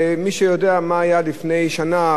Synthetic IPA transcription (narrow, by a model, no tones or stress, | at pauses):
miʃejo̞deamaːjalifne̞jʃana